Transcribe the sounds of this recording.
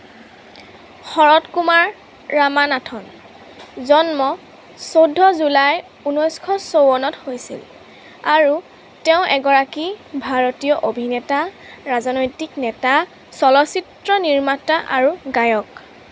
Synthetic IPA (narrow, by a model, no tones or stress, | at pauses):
xɔɹɔtkumaɹː | amanatʰɔn | zɔnmɔ | sodʱːɔzulaj | unɔjskʰɔsowɔnɔthojsḭl | aɹu | tɛʊ̃ʔɛɡɔɹakibʱaɹotijɔʔobʱinɛtaɹazɔnojtiknɛta | sɔlɔsitɹɔniɹmataʔaɹuɡajɔk